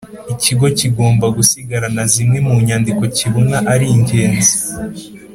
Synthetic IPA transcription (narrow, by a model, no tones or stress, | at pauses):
iciɡo̞ciɡo̞ːmbaɡusiɡaɾanazimŋe̞muɲaːndiko̞ciβunaʔaɾiiɲɟe̞ːnzi̥